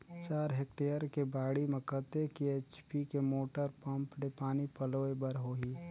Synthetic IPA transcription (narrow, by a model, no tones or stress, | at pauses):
t͡ʃaːɾɦek̚ʈeːjəɾkebaːɽimẽkət̪ekieːt͡ʃpikemoːʈəɾpɐ̃mpɖepaːnipəloːebəɾɦoːɦiː